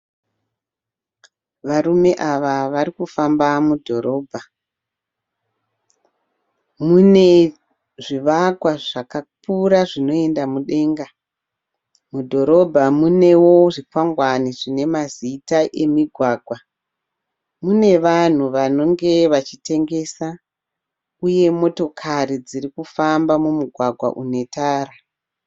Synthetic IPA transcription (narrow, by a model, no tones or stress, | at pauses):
ʋaɾume̞ʔaʋaʋaɾikufambamudʱo̞ɾo̞ːbʱa | mune̞ | ʐiʋakwaʐakapuɾaʐino̞e̞ndamuɗe̞ːŋɡa | mudʱo̞ɾo̞bʱamune̞wo̞ʐipwaŋɡwaniʐine̞mazitaʔe̞miɡʱwaːɡʱwa | mune̞ʋan̤uʋano̞ŋɡe̞ʋat͡ʃite̞ŋɡe̞ːsa | uje̞mo̞to̞kʰarid͡ziɾikufambamumuɡʱwaɡʱwa̰ʔune̞taːɾa